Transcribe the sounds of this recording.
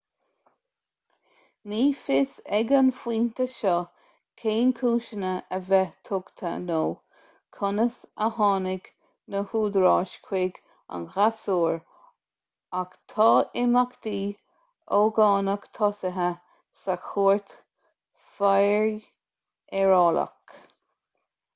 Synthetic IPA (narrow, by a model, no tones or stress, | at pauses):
niːfɪsɛɡənfiːnt̪əʃɔ | kʰeːnkʰuːʃənəʔəvɛt̪ʰʊɡt̪ʰə̰noː | kʰʊnəsəhɑːnɪɡ | nəhuːd̪ɾɑːʃkʰwɪɡ | a̰nɣasuːɹ | akt̪ʰɑːɪmakt̪iː | oːɡɑːnəkt̪ʰɔsəɦə | saxuːɹt̪ | fajɹ | ɛɹɑːlə̰k